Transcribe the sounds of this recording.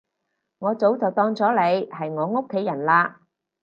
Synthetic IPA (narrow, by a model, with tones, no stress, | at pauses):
ŋɔː˨˧t͡so˨˥wt͡sɐ˨˩wt̪ɔː˧ŋt͡sɔː˨˥le˨˧jhɐ˨jŋɔː˨˧ŋo˥kʰːe˨˥jɐ˨˩nlaː˧